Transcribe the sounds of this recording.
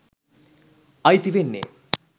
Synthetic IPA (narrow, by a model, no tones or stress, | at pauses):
ɐjt̪iʋenːḛ